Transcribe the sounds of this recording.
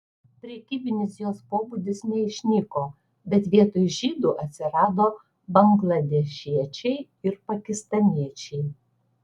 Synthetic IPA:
pʲɾʲɛkʲiːbʲɪnʲɪs̬joːspoːbud̪ʲɪsnʲɛɪʃʲnʲɪkoː | bʲɛt̪ʋʲiɛt̪oːjʊʒʲiːd̪uːʔɐt̪ʲsʲɪɾɑːd̪oː | bɐŋɡlˠɐd̪ʲɛʃʲiɛt͡ʃʲɛɪ | ɪɾpɐkʲɪst̪ɐnʲiɛt͡ʃʲɛɪ

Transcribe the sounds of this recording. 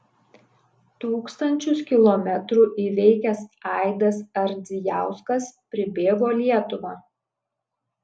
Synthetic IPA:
t̪uːkst̪ɐnʲt͡ʃʲʊskʲɪlˠɔmʲɛt̪ɾuːʔiːʋʲɛɪkʲɛsɑˑɪd̪ɐsɐɾʲd̪zʲɪjæˑʊskɐspʲɾʲɪbʲeːɡoːlʲiɛt̪ʊʋɑː

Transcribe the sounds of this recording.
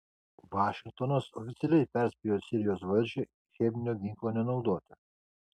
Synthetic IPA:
ʋɑːʃʲɪŋk̚t̪ɔnosɔfʲɪt̪sʲɪɛlʲɛɪpʲɛɾʲsʲpʲijoːsʲɪɾʲɪjoːsʋɐlʲʒʲɪ | xʲɛb̪ʲnʲoːɡʲikoːnʲɛnɔʊd̪oːt̪ʲɛ

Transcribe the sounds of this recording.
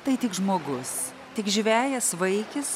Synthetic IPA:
t̪ɐɪt̪ʲɪkʒmoːɡʊs | t̪ʲɪkʒʲʋʲæːjɛsʋɐɪkʲɪs

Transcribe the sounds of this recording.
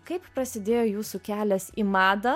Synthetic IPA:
kɐɪppɾɐsʲɪd̪ʲeːjoːjuːsukʲæːlʲɛsḭmɑːd̪ɐ

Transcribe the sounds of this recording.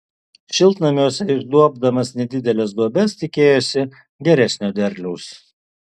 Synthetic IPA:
ʃʲɪlˠt̪nɐmʲoːsʲɛɪɾd̪uɔb̚d̪ɐmɐsnʲɛd̪ʲɪd̪ʲɛlʲɛs̬d̪uɔbʲɛst̪ʲɪkʲeːjosʲɪ | ɡʲɛɾʲɛsʲnʲoːd̪ʲɛɾʲlʲɛʊs

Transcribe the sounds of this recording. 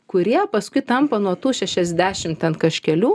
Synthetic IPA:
kʊɾʲiɛpɐskʊɪt̪ɐmpɐnuɔt̪uːʃʲɛʃʲɛzʲd̪ʲæːʃʲɪmt̪ʲɛnkɐʃʲkʲɛlʲuː

